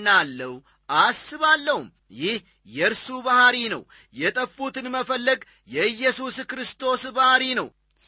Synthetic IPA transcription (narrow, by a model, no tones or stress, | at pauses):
nːalːəh | ʔasːɨβalːəhum | jɪh | jɛɾsubahaɾinə̰w | jɛt̪ʼəfːut̪ʰɨnməfəlːəɡ | jɛɨjːɛsuskɾɨst̪ʰo̞sbahaɾinəw